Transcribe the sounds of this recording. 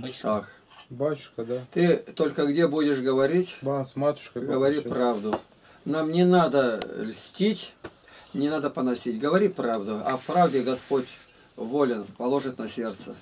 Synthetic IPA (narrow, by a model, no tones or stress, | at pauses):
t̪ak | batʲʊ̥ʂkəd̪at̪ɨt̪o̞lʲkəɡdʲebudʲɪʂɡəvɐɾʲitʲasmat̪ʊ̥ʃkɡəvɐɾʲipɾavd̪ʊ | namnʲɪnad̪əlʲsʲtʲitʲ | nʲɪnad̪əpənɐsʲit̚ʲɡəvɐɾʲipɾavd̪ʊɐ̰fpɾavdʲɪɡɐspotʲ | volʲɪnpɐlˠo̞ʐɨt̪nɐsʲe̞rt̪sə